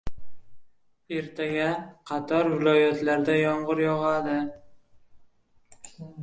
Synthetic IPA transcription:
e̞ɾt̪ʰaɡʲaqʰɑt̪ʰɒɾvɪlɒjat̪ʰlaɾd̪ajɒɴʁɨɾjɒʁad̪ɪ

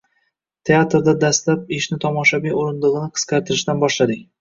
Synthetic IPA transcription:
t̪ʰe̞at̪ɾd̪ad̪ast̪lap̚ɪʃnɪt̪ʰɒmɒʃavijoɾɪnd̪ɨʁɨnɪqʰɨ̥sqʰɑɾt̪ʰɪɾɪʃd̪anbɒʃlad̪ɪŋ

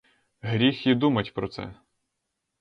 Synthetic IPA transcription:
ɦɾʲixid̪umɐtʲpɾɔt̪sɛ̰

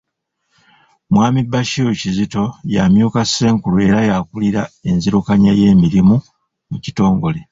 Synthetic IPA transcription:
mwaːmibaʃijocizito̞jamjukase̞ːŋkulue̞ɾajakuliɾae̞nziɾukaɲaje̞ːmiɾimu | muci̥to̞ːŋɡo̞le̞

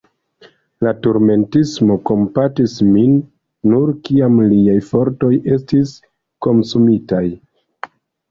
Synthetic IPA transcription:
latuɾme̞ntismo̞ko̞mpatisminː | uɾkiamliajfo̞ɾto̞jʔe̞stis | ko̞nsumitaj

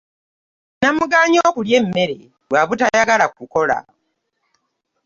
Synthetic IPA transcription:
namuɡaːɲo̞ːkulje̞mːe̞ɾe̞̰ | waβutajaɡalakuko̞la̰

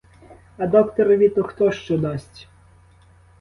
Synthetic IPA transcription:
ɐd̪ɔkt̪ɔɾʋʲit̪ɔxt̪ɔʃt͡ʃɔd̪ɑsʲtʲ

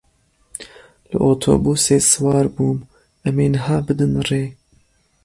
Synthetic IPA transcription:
lɨ̰ʔoːt̪ʰo̰ːbuːseːsɨwɑːɾbuːm | ʔɐmeːnɨɦaːbɨd̪ɨnreː

